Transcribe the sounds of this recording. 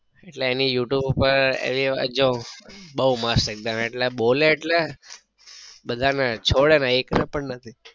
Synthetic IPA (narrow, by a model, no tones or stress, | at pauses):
eʈleːnijuʈjubupəɾḛʋid͡ʒõbəumasək̚d̪aneʈleboleːʈle | bəd̪ʱanet͡ʃʰoɽenɛeknɛpəɳnət̪ʰi